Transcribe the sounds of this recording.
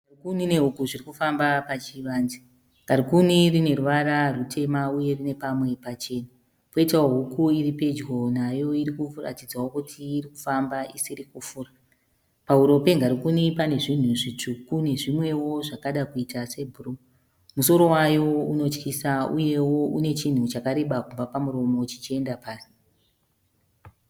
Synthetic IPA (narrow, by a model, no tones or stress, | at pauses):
arikunine̞ɦukuʐirikufambapat͡ʃiʋaːnzi | ŋɡaɾikunirine̞ruʋaɾarutʰe̞mauje̞rine̞pamwe̞pat͡ʃe̞na | po̞itawoɦukuiripe̞d͡ʒɡo̞najo̞iɾikura̰tid͡zwawo̞kutʰiːriku̥fambaisiɾikufuːra | pauɾo̞pe̞ŋɡaɾikunipane̞ʐin̤uʐit͡ʂukune̞ʐimwe̞wo̞ʐakaɗakuitase̞bʱuru | muso̞ɾo̞wajo̞uno̞t͡ʃkisauje̞wo̞ʔune̞t͡ʃin̤ut͡ʃakaɾe̞ɓakumvapamuɾo̞mo̞t͡ʃit͡ʃie̞ndapaːri